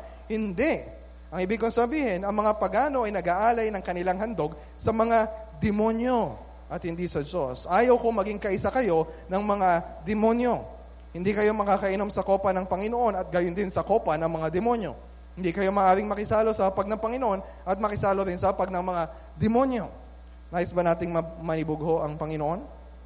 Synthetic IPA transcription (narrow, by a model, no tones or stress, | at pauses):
hɪnd̪ɛʔ | ʔɐŋhɪbɪɡ̚koŋsɐbiːhɛnɐŋmɐŋapɐɡaːno̞ʔɐjnɐɡaʔaːlɐjnɐŋkɐnɪlaŋhɐnd̪o̞ɡ̚ | sɐmɐŋad̪ɛmo̞njo̞ | ʔɐt̪̚hɪnd̪isɐd͡ʒo̞sʔaːjɐwko̞mɐɡiŋkɐʔɪsakɐjo̞nɐŋmɐŋad̪ɛmo̞njo̞ | hɪnd̪ikɐjo̞mɐkaːkɐʔɪno̞msɐko̞ːpɐnɐŋpɐŋɪno̞ʔo̞nɐt̪̚ɡɐjond̪ɪnsɐko̞ːpɐnɐŋmɐŋad̪ɛmo̞njo̞̰ | hɪnd̪ikɐjo̞mɐːʔaːɾɪŋmɐkɪsaːlo̞sɐhɐpɐɡ̚nɐŋpɐŋɪnoʔo̞n | ʔɐt̪̚mɐkɪsaːlod̪ɪnsɐɐpɐɡ̚nɐŋmɐŋa | d̪ɛmo̞njo̞ | naːjosbɐnaːt̪ɪŋmɐmɐnɪboɡho̞ʔɐŋpɐŋɪnoʔon